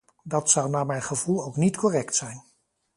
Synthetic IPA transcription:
dɑtsʌwnaːmɛjnχəvulˠowknitkɔrɛktsɛjn

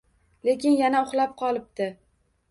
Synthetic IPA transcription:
le̞kʲɪnjanaʊχlˠap̚qʰɒlˠɪp̚t̪ɪ

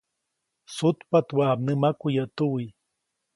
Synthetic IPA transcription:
sʊt̪pat̪wab̚nɨmakʊjat̪uwi

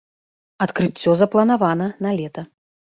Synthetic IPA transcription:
ɐt̪kɾɨt͡sʲːɔzɐplˠɐnavanɐnɐlʲɛt̪ɐ

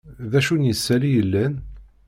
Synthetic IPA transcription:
ðæʃunjəsːælijəlːæn

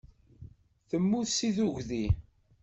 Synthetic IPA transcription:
θəmːuθsiðuʝði

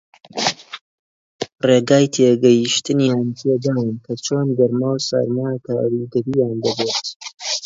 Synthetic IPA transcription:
reːɡaːjt̪ʰeɡɐjiʃt̪ɨnjaːnt̪ʰed̪aːwɨnkʰɐt͡ʃʰonɡɐɾmawsa̰ɾmakʰaːwɾiɡɐɾijaːnd̪ɐbet̪

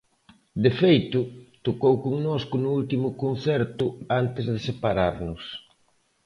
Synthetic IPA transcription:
d̪efejt̪ʊt̪okowkoŋnoskʊnʊult̪imʊkon̟θɛɾt̪ʊant̪ɪzðɪsepaɾaɾnʊs

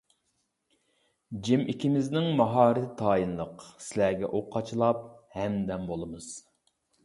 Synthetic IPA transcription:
d͡ʒimikʲʰimɪznɪŋmɑɦɑːɾɨt̪ʰɪt̪ʰɑːjinlˠəqsɪlæɡʲɛ̰ʔoqʰːɑt͡ʃʰlˠɑp̚hɛmd̪ɛmbolˠɨmɨz̥

